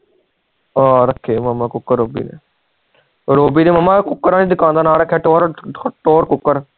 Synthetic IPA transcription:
aːɾəkʰːeːməmːaːkʊkːəɾːoːbḭːnḛː | ɾoːbiːneːməmːãːkʊkːəɾaːniːd̪ʊkãːnd̪aːnaːɾəkʰːeːʈoːɾʈoːɾkʊkːəɾ

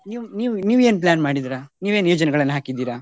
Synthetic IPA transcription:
niːʋniːʋniːʋeːnp̬lʲaːnmaːɽid̪iɾaːniːʋeːnjoːd͡ʒɐnɛɡɐɭɐnːɐɦaːkid̪iːɾaː

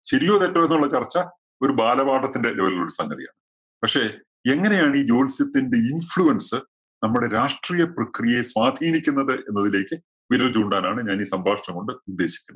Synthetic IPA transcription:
ɕeɾijo̞ːðetːɐmenːuɭːɐt͡ɕɐrt͡ɕːɐ | o̞ɾubaːlɐbaːʈɐt̪ːinde̞leʋɐlɣɐɭuɽusɐŋɡɐðija̰ːɳɨ | pɐkʂe̞ | eŋːɐne̞jaːɳiːd͡ʑo̞ːlsjɐt̪ːinde̞infɭuɐnsɨ | nɐmːuɽe̞ɾaːʂʈriːjɐprɐkrijɐjeswaːd̪ʱiːnikʲːunːɐðɨʔe̞nːɐðile̞ːkʲːɨ | ʋinɐlt͡ɕuːɳɖaːnaːɳɨɲaːniːsɐmbʱaːʂɳɐŋko̞ɳɖɨud̪ːe̞ːɕi̥kʲːunːɐ

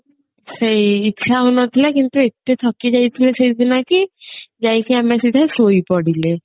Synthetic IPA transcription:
sejitːʃʰaɦunɔt̪ʰilakint̪uet̪etʰɔkid͡ʒajt̪ʰilesejd̪inakid͡ʒajkiamesid̪ʱasojpɔɽile

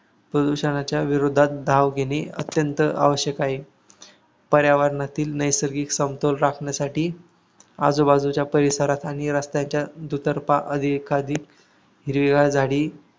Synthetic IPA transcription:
pɾəd̪uɕənat͡ɕjaʋiɾod̪ʱːat̪̚d̪ʱaʋɡʱeneə̰t̪jənt̪əa̰ʋəɕjəkaɦe | pəɾjaʋaɾnat̪iːlnəjsəɾɡiːksəmt̪olɾakʰɳjasaʈiː | a̰d͡zobad͡zut͡ɕjapəɾisaɾat̪aɽ̃iɾast̪jaɲt͡ɕjad̪ut̪əɾpaʔəd̪ʱikʰad̪ʱiːk | ɦiɾʋiɡad͡zʱaɽiː

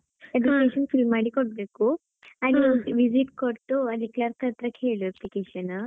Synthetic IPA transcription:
ep̬likkeɕənfilmaɽikoʈ̚beko | añiʋid͡ziʈkəɾt̪oad̪iklaɾt̪ʰət̪ɾəkʰeɭoeplikeɕənə

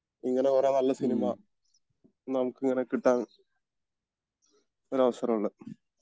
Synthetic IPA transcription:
iŋːɐnekurenɐlːɐsinima | nɐmukːiŋːɐnekiʈːaːɳ | o̞ɾɐʋɐsɐrɐmuɭːɨ

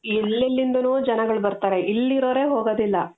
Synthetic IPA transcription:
illːilːind̪ɐnuːd͡ʒɐnɐɡɐɭbɐɾt̪aːɾe̞ʔilːiɾoːɾe̞ːɦoːɡoːd̪ilːɐ

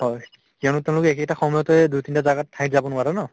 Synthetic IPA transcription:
hɔj | kijanʊteʊ̃lʊkɛk̬ɛtaxɔmɔjɔtɔɛdutintazaɡatʰːajtzabɔnʊaɾɔnɔ

